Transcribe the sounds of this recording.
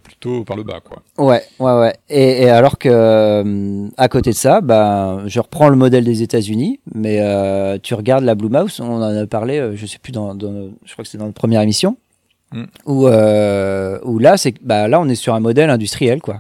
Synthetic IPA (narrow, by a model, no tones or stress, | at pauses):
ply̥t̪opaʁləba̰kwa̰wɛwɛwɛeːalɔʁkəmakot̪ed̪əsabaʒəʁəpχɑ̃ləmɔd̪ɛld̪ezet̪azynimɛøt̪ʰyʁəɡaʁd̪lablumawsɔ̃nɑ̃napaʁleøʒəsɛ̥pyd̪ɑ̃d̪ɑ̃ʒəkwakə̥sɛd̪ɑ̃nɔt̪̚pχəmjɛʁemisjɔ̃ | uø | ulasɛbalaɔ̃nɛsyʁɛ̃mɔd̪ɛlɛ̃d̪yst̪χijɛlkwa